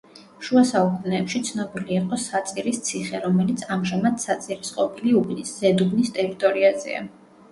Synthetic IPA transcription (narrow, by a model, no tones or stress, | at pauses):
ʃuasaukʼunɛːpʃit̪sʰnɔbiliiqʼɔsat̪sʼiɾist̪sʰiχɛɾɔmɛlit̪sʰamʒamad̪sat̪sʼiɾisqʼɔpʰiliubnisz̥ɛd̪ubnist̪ʼɛɾit̪ʼɔɾiazɛ̰a̰